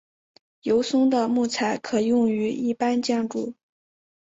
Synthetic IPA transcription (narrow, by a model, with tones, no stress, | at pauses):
jo˧˥ʊsʊ˥ŋd̪ə˨mu˥˩t͡sʰa˧˥ɪkʰɤ˨˩jʊ˥˩ŋy˧˥ḭ˥˩pa˥nt͡ɕjɑ˥˧ŋʈ͡ʂu˥˩